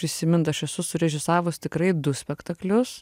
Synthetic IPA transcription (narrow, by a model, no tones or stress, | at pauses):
pɾʲɪsʲɪmʲɪnt̪ɐʃɛsʊsʊɾʲɛʒʲɪsɑːʋʊst̪ʲɪkɾɐɪd̪ʊsʲpʲɛkt̪ɐklʲʊs